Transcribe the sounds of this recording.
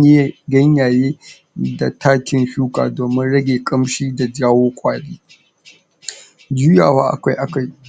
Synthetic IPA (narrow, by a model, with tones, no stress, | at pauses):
ɡɐ˦ɲjaː˨jeː˦ | da˨tʰaː˦kʲɪ˦nɸuː˦ka̰ː˨doː˨mɪ˦nɽɐ˦ɡʲeː˨kʼɐ˦mʃiː˦da˨d͡ʒaː˦woː˦kʷʼaː˦ɽeː˦ | d͡ʒuː˦jaː˨waː˦ʔa̰˨kʷa˦jʔa˨ka˦